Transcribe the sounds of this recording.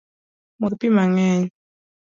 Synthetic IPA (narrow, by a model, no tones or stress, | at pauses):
mʊtpimaŋɛɲ